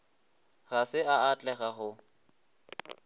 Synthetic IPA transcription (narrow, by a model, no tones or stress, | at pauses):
ɣasɪaat͡ɬʼɛɣaχʊ